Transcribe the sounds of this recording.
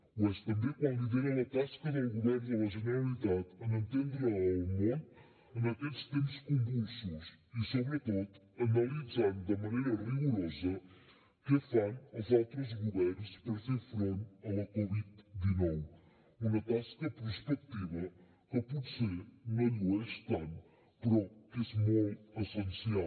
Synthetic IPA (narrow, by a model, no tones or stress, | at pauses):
mɐʃt̪ɐ̃mbɐ̃j̃kɐ̃lˠiðeɾɐ̃nɐt̪aʃi̥kɐðɐ̃ɣuðejɾzɐ̃nɐʒɨnɨɾɐlˠiðaðɐmɐ̃nt̪ẽnd̪ɾɐɐmɐ̃ | ɐnɐt̪ẽʃkt̪emuʃkõmbusuʃisoβɾɨt̪oðu | ɐnɐlˠizaɾmud̪ɐmɐnejɾɐʁiɣuɾɔzɐ | kɨɐfɐnɐzawt̪ɾuʒmuβeɾɾuʃpɐɾseɾfɾẽnt̪ɐɐkɔβiðd̪inɔw | umɐt̪askɐpɨɾʃpɛk̚t̪iβɐ | ɐpuðseɾmɐluɐʃt̪ɐ̃n | pɾɔkesmõɐsẽnsia